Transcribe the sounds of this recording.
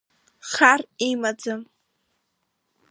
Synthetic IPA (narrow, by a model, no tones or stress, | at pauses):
χarimad͡zɨm